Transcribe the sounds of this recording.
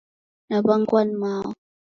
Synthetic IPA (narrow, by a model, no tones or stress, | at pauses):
nabaŋ̩kwanma̰